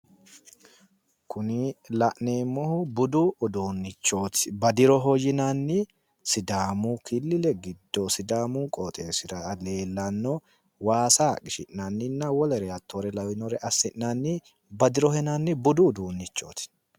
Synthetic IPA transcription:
kʰʊnɪlɐʔneːmːɔhʊbʊd̪uːd̪uːnːɪt͡ʃːo̞ːt̪ɪ̥bɐd̪ɪɾɔɦɔjːɪnanːɪ | sɪd̪aːmukɪlːɪlɛɡɪd̪ːosɪd̪aːmuːkʼɔːt̪ʼeːsɪɾɐle̞ːlːɐnːɔ | waːsaːkɪʃɪ̰ʔnanːɪnːɐwɔlɛɾɛɐt̪ʰːoːɾɛlɐwɪnɔɾɛʔɐsːɪʔnanːɪ | bɐd̪ɪɾɔhɛnaːnːɪbʊd̪uːd̪uːnːɪt͡ʃːo̞̰ːt̪ɪ̥

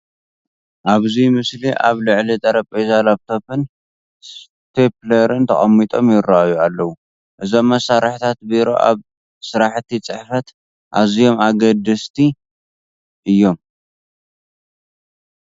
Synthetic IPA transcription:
ʔaβzimɨsliʔa̰βlɨʕlit̪ʼɐɾɐpʼezalaβt̪ʰo̞pʰɨn | s | pʰeplɐɾɨnt̪ʰɐχʼɐmːit̪ʼo̞mjɪraajualːɐwu | ʔɨzo̞mːɐsaɾɐħt̪ʰat̪biɾo̞̰ʔa̰β | sɨɾaħt̪ʰit͡sʼɨħfɐt̪ | ʔazijo̞maɡɐd̪ɨst̪ʰi | ʔɨjːo̞m

